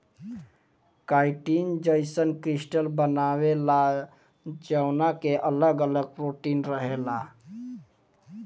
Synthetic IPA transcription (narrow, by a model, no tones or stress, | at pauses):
kaɪʈind͡ʒəɪsənkɾisʈəlbənawela | d͡ʒəʊnakeʔələɡələɡ̚pɾoʈinɾəɦela